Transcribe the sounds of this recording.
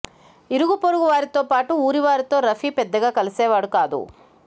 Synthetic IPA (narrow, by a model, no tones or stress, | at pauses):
iɾuɡupoɾuɡuʋaːɾit̪oːpaːʈuuːɾiʋaːɾit̪o̞ːɾɐfiːpɛd̪ːɐɡaːkɐlisɛːʋaːɽukaːd̪ṵ